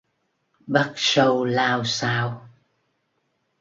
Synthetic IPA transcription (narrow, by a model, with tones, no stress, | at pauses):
ɓə˦˥t̚sə˧wlaː˧wsaː˧w